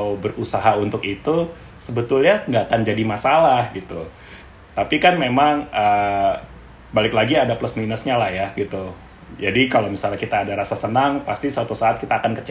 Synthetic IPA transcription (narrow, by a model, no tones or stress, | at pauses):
bərusaɦaunt̪ʊkit̪u | səbət̪ʊlɲandat̪and͡ʒadimasalahɡit̪u | t̪apikanmemaŋə | balɪklaɡiadapləsminəsɲalahjahɡit̪u | d͡ʒadikalowmisalɲakit̪aːdaɾasasənaŋpast̪isəwat̪usaːt̪̚kit̪aːkankət͡ʃ